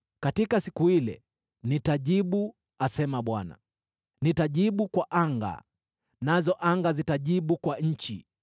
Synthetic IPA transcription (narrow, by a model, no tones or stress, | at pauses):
katikasikuilɛ̰ | nitaʄiɓu | asɛmaɓwana̰ | nitaʄiɓukwaʔaŋɡa̰ | nazɔʔaŋɡazitaʄiɓukwaɲ̩t͡ʃḭ